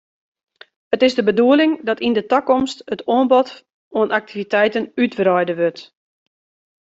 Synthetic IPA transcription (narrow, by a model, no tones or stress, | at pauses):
ətɪzdəbəduəlɪŋdɔtindətɔkɔmstətoənbɔt | oənʔak̚tʰivitɛjtənytbrɔjdəʋøt